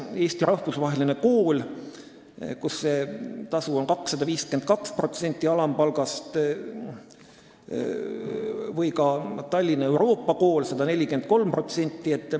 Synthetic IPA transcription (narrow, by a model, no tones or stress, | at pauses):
e̞ːsʲt̪iɾɑhfusvɑɦe̞lineko̞ːl | kusːe̞t̪ɑsuonkɑksːɑd̪ɑviːskend̪̥̚kɑkspro̞t̪se̞nʲt̪ˑːiɑlɑmpɑlɡɑst̪ | vɤjkɑt̪ɑlʲːinɑe̞wɾo̞ːpːɑko̞ːlsed̪̥ɑne̞lʲːike̞nd̪̥̚ko̞lmpro̞t̪se̞nʲt̪ˑːiet̪ːˑ